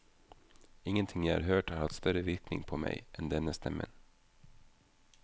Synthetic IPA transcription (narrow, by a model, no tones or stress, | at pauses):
ɪŋːənt̪ʰɪŋːjæɪhɑ̰ɾɦøːʈhaɾhaft̪st̪œɾəʋɪɾknɪ̰ŋpʰɔmɛ̰jʔɛnd̪ɛnːəst̪ʰɛmːə̰n